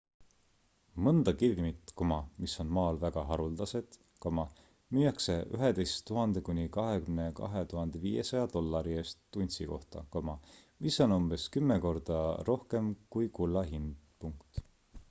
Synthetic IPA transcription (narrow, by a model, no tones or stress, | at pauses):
mɤnd̪̥ɑkirɡmit̪komɑmisːo̞nmɑːlvæɡ̥ɑɦɑɾuld̪̥ɑse̞d̪̥ | kɑmɑ | myːjɑkse̞y̰ɦe̞d̪e̞jst̪ːuɦɑnd̪̥e̞kunʲikɑɦe̞kymne̞kɑ̰ɦe̞t̪uɦɑnd̪̥e̞viːje̞sɑjɑd̪̥o̞lːɑɾiest̪ːunʲsiko̞ht̪ɑ̰kɑmɑmisːo̞numb̥e̞skymːeko̞rd̪̥ɑro̞hke̞mkujkulːɑɦind̪puŋkt̪